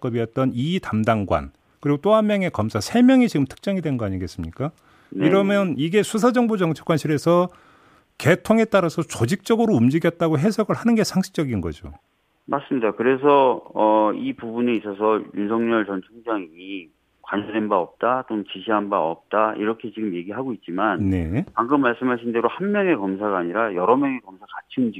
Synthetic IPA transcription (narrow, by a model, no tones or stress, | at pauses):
k͈ʌbijʌt̚t͈ʌnitamdaŋɡwa̰n | kɯɾiɡot͈oanmːjʌŋe̞kʌmsʰasʰe̞mjʌŋit͡ɕiɡɯmtʰɯ̥k̚t͡ɕ͈ʌŋidwe̞nɡʌaɲiɡe̞s͈ɯmɲik͈a | niɾʌmjʌniɡe̞sʰusʰad͡ʑʌŋbod͡ʑʌŋt͡ɕʰḁkwanɕʰiɾe̞sʰʌ | ke̞tʰoŋe̞t͈aɾasʰʌt͡ɕod͡ʑik̚t͡ɕ͈ʌɡɯɾoumd͡ʑiɡjʌt̚t͈aɡoɦe̞sʰʌɡɯɭhanɯnɡe̞sʰaŋɕʰi̥k̚t͡ɕ͈ʌɡinɡʌ̰d͡ʑo̰ | mas͈ɯmɲidakɯɾe̞sʰʌʌipubuneis͈ʌs̬ʰʌjunsʰʌŋɲʌɭt͡ɕʌnt͡ɕʰuŋd͡ʑaŋiɲi | kwaɲʌde̞nbaʌp̚t͈at͈ont͡ɕiɕʰiɦanbaʌ̰p̚t͈aḭɾʌkʰe̞t͡ɕiɡɯmje̞ɡiɦaɡoit̚t͡ɕ͈imanne̞̰paŋɡɯmːaɭs͈ɯmɦaɭɕʰindeɾohanmjʌŋe̞kʌmsʰaɡaːɲiɾajʌɾʌmjʌŋe̞kʌmsʰakat͡ɕʰimd͡ʑi